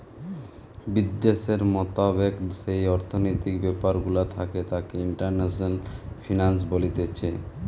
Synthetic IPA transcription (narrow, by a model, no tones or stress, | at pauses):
bid̪ːeʃeɾmɔt̪abekʃejɔɾt̪ʰonojt̪ikbɛpaɾɡulat̪ʰaket̪akeiɳʈaɾnasnalfʰinans̬bolit̪et͡ɕʰe